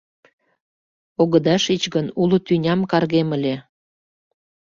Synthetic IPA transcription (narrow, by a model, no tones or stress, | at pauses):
oɣəd̪ɑʃit͡ɕɣənulut̪ynʲɑmkɑrɣeməlʲe